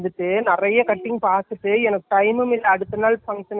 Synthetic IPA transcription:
d̪ɯʈːɯnɪrɐjɐkɐʈːɪŋɡpaːɾt̪ɯʈːɯɛnɐkːɯ̥ʈɐɪmɯmɪlːɐːɽɯt̪ːɯnːaːlfɐŋʂɐn

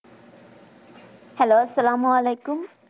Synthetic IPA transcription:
hɛloːɐsːɐlaːmuɐleːkum

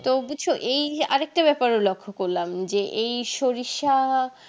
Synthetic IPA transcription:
t̪obuoʔeja̰ɾek̚ʈabɛpaɾolokʰːokoɾlamd͡ʑeʔejʃoɾiʃa

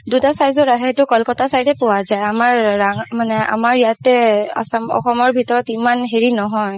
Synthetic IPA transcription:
dutasajzɔɹaɦɛtʊkɔlkɔtasajdɛpʊwazajamaɹːaŋmanɛa̰maɹjatɛa̰samɔ̰xɔmɔɹbʱitɔɹɔtimanɦeɹinɔɦɔj

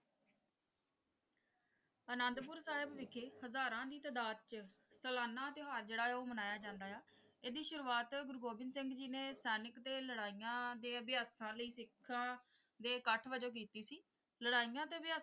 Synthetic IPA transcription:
ənənd̪pʊɾsaːɦɪbʋɪkʰːeːhəzaːɾãːd̪iːt̪əd̪aːd̪̚t͡ʃsəlaːnːãːət̪eːɦaːɾd͡ʒeːɽaːoːmənaːjaːd͡ʒãːnd̪aːjaː | eːd̪iːʃʊɾuːaːt̪ɡʊɾɡoːbɪnsɪŋɡd͡ʒinẽːsɛːnəkt̪eːləɽaːiːjãːd̪eːəbɪjaːsãːləiːsɪkʰːãː | d̪eːkəʈʰʋəd͡ʒoːk̬iːt̪iːsiː | ləɽaːijãːt̪eːəbɪjaː

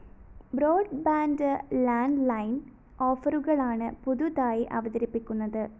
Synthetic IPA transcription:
bro̞ːɖbaːndɨlaːnɖlɐjn | o̞ːfɐruɣɐɭaːɳɨpuðuðaːjiʔɐ̰ʋɐðɐɾipːikʲːunːɐðɨ

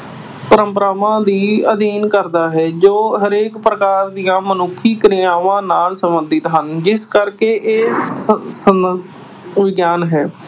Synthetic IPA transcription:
pəɾə̃mpəɾaːʋãːd̪iːəd̪iːnkəɾd̪aːɦɛːd͡ʒoːɦəɾeːkpɾəkaːɾd̪ijãːmənʊkʰːiːkɾɪjaːʋãːnaːlsəmbənd̪ɪt̪ɦənd͡ʒɪskəɾkeːʔeː | ə | ʋɪɡjaːnɦɛː

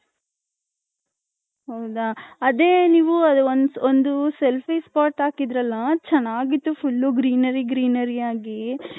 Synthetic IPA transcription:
ɦɐwd̪ɐːd̪eːniːʋuɐd̪uonond̪uselpʰispaːɾʈaːkid̪ɾɐlːɐt͡ʃɛnːaːɡit̪ːupʰulːuɡɾiːnɐɾiɡɾiːnɐɾiaːɡi

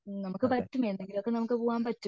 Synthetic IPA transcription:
nɐmukːɨpɐtːumend̪eŋɡilo̞kːe̞nɐmukːɨpoːʋaːmpɐtːu

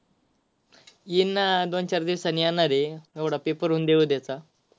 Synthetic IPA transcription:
inːad̪ont͡ɕaɾd̪iʋsanijanaɾeeʋɽapepəɾund̪eud̪jat͡sa

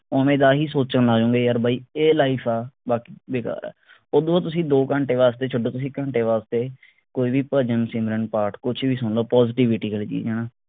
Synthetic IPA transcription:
oːmẽːd̪aːɦiːsoːt͡ʃənlaːd͡ʒõːŋɡeːjəːɾbaːiːeːlaːiːpʰaːbaːkiːbeːka̰ːɾɛ̰ː | oːd̪õat̪̬ʊsĩːd̪oːkə̃ːɳʈeːʋaːst̪eːt͡ʃʰʊɖõːt̪ʊs̬ĩːkə̃ːɳʈeːʋaːst̪eː | koːiːʋiːpəd͡ʒənsɪmɾəɳpaːɾʈkʊt͡ʃʰːbiːsʊnloːpɔːzɪʈiːʋɪʈiːɡəliːt͡ʃḭːd͡ʒɛːnãː

